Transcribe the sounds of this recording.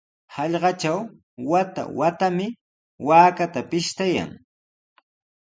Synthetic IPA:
hɑʎɢɑt͡ʃaw | wat̪a̰wat̪amɪ | waːkat̪apɪʃt̪aja̰ŋ

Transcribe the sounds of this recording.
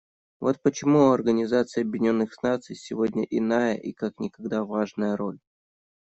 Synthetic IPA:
vo̞t̪̚pət͡ɕɪmuɐrɡənʲɪzat̪sɨjɐbjɪnʲo̞nːɨxsnat̪sɨjsʲɪvo̞dʲnʲəʔɪnajəʔikaknʲɪkɐɡd̪avaʐnəjəɾo̞lʲ

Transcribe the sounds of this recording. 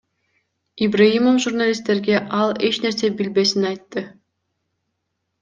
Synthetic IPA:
ibraimomʒurnalʲist̪ːe̞ɾɡe̞ʔɑlˠe̞t͡ʃne̞ɾse̞bilbe̞sinɑjt̪ːɯ

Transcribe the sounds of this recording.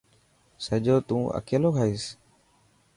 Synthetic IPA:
səʄoːt̪ũːʔə̰keːloːkʰaːiːs

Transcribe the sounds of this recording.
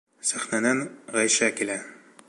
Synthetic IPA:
sæχnænænʁæjʃækilæ

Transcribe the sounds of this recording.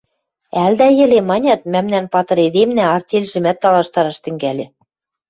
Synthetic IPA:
æld̪æjɘ̆lemɑnʲɑt̪̚mæmnænpɑt̪ɤ̆ɾed̪emnæɑrt̪ʲelʲʒɘ̆mæt̪ːɑlɑʃt̪ɑɾɑʃt̪ɘ̆ŋɡælʲɘ̆

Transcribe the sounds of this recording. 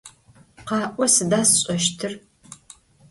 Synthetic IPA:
qɑːʔʷɔsɨdaːsɕʼɐʃtʰɨr

